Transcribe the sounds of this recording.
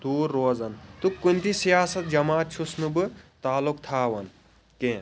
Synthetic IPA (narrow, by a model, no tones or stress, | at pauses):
d̪̥uːɾːoːzɐnt̪ukːunt̪isjaːsɐt̪̚d͡ʒɐmaːt̪̚t͡ʃʰusnubɨt̪aːlukt̪ʰaːʋɐn | kẽː